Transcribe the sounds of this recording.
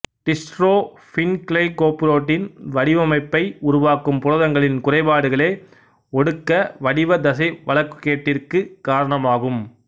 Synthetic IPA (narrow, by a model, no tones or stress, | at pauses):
ʈɪsʈroː | fɪnkɭɐɪkoːpɯɾoːʈːɪnʋɐɽɪʋɐmɐɪpːɐɪʊɾʊʋaːkɯmpʊɾɐðɐŋɡɐɭɪnkʊrɐɪpaːɽɯɣɐɭeː | ɔɽɯkːɐʋɐɽɪʋɐd̪ɐsɐʋɐɭɐkːɯ̥keːʈːɪrkɯkaːɾɐɳɐmaːɣɯm